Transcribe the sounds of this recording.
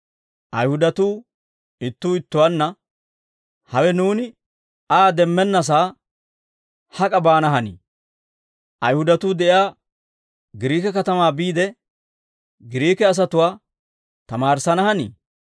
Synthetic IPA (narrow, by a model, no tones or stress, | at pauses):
ʔɐjhʊd̪ɐt̪uː | ɪt̪ːuːɪt̪ːʊwanːɐ | hɐwɛnuːnɪ | aːd̪ɛmːɛnːɐs̬aː | hɐkʼɐbaːnɐɦɐnḭː | ʔɐjhʊd̪ɐt̪uːd̪ɛʔjaː | ɡɪɾiːkɛkɐt̪ɐmaːbiːd̪ɛ | ɡɪɾiːkɛɐs̬ɐt̪ʊwaː | t̪ɐmaːɾsɐnɐhɐnḭː